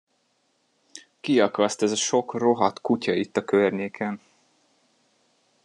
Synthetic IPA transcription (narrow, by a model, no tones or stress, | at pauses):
kiɒkɒst̪ɛzɒʃo̞kro̞ɦɒt̪kucɒit̪ːɒkørɲeːkʰɛn